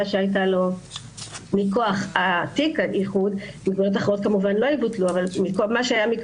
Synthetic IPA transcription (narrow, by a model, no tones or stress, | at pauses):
aʃeajt̬alo̞ | mikoaχat̪ikaʔiχudiɡvojot̬aχeʁot̚kamuvanlo̞ibutluavalmikomaʃeajamik